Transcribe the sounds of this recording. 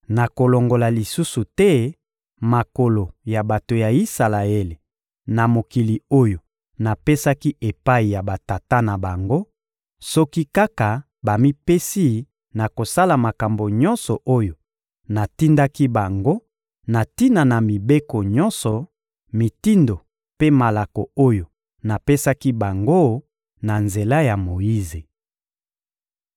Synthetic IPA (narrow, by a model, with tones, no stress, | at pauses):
na˨ko˨lo˨ŋɡo˨la˨li˨su˦su˨tɛ˦ | ma˨ko˨lo˨ja˨ba˨to˨ja˨i˦sa˨la˨e˦le˨ | na˨mo˨ki˨li˨o˦jo˨ | na˨pe˦sa˦ki˦ʔe˨pa˦i˨ja˨ba˨ta˨ta˦na˨ba˨ŋɡo˦ | sɔ˦ki˦ka˦ka˨ | ba˨mi˦pe˦si˦ | na˨ko˨sa˦la˨ma˨ka˨mbo˨ɲɔ˦nsɔ˨ʔo˦jo˨ | na˨ti˦nda˦ki˦ba˨ŋɡo˦ | na˨ti˦na˨na˨mi˨be˦ko˨ɲɔ̃˦nsɔ˨ | mi˨ti˦ndo˨ | pe˦ma˨la˨kɔ˨o˦jo˨ | na˨pe˦sa˦ki˦ba˨ŋɡo˦ | na˨nze˨la˦ja˨mo˨ji˦ze˨